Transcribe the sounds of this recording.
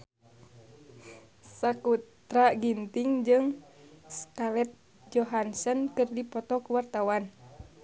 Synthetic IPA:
sakut̪ɾaɡint̪iŋd͡ʒɨŋskalɛt̪̚ | d͡ʒɔɦansənkɨrdipɔt̪ɔkuwart̪awan

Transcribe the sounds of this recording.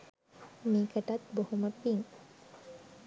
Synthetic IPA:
miːkəʈɐt̪bohuməpiŋ

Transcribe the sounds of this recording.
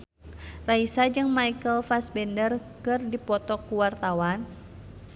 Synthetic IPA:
raisad͡ʒɨŋmajkəlfasbɛndərkɨrdipɔt̪ɔkːuwart̪awan

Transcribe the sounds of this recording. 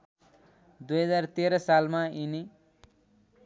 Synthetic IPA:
d̪ujɦʌd͡zart̪eɾʌsalmaini

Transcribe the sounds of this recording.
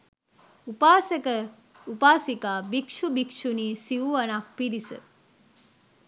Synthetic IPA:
upaːsekə | upaːsikaːbikʂubikʂuniːsiʋuʋɐnak̚piɾisə̰

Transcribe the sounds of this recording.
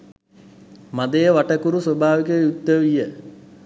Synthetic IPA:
mad̪ejəʋaʈəkuɾusobʱaːʋikəjut̪ːəʋijə

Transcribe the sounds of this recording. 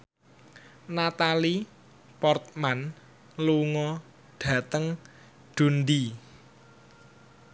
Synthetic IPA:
nat̪ali | pɔrt̪̚man | luŋɔ | ɖ̥ä̤t̪əŋ | ɖ̪̥ṳnd̪i

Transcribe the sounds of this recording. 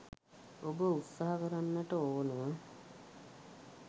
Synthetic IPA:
obəut̪saɦakəɾanːəʈəoːnə

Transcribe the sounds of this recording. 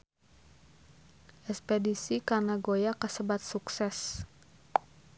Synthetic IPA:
ʔɛspedisikarnaɡojakəsəbat̪̚suksɛs

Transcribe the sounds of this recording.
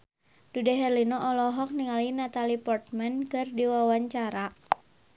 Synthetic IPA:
dudɛɦɛrlinɔʔɔlɔɦɔk̚niŋalinat̪alipɔrt̪̚mɛnkɨrdiwawaɲt͡ʃaɾa

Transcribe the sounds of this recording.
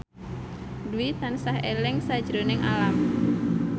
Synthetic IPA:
duit̪ansaɦelɛŋsḁd͡ʒɾonɪŋa̰lam

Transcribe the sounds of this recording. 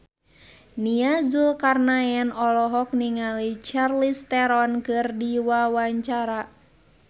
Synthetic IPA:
niazulkarnajɛnɔlɔɦɔk̚niŋalit͡ʃarlist̪ɛɾɔnkɨrdiwawaɲt͡ʃaɾa

